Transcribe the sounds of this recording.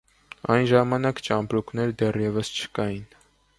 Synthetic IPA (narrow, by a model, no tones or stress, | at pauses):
ɑjnʒɑmɑnɑkt͡ʃɑmpɾuknɛɾd̪ɛrjɛvəst͡ʃʰə̥kɑjin